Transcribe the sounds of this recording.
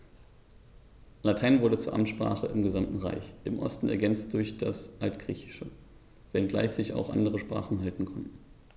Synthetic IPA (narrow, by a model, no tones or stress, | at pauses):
latʰaɪnvʊɐdət͡suːɐʔa̰mtʃpʁ̥a̰ːχəʔɪmɡəzamtn̩ʁa̰ɪçʔɪmʔɔ̰stn̩ɛ̰ɐɡɛnt͡st̚d̥ʊɐçd̥asʔaltɡ̥ʁ̥iːçɪ̥ʃə | vɛnɡla̰ɪçz̥ɪça̰ʊxʔa̰ndəʁəʃpʁ̥a̰ːχn̩ɦaltn̩kʰɔntn̩